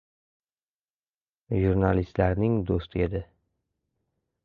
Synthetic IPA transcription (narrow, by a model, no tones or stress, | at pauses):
ʒuɾnalist̪laɾnɪŋd̪ost̪ʰɪe̞d̪ɪ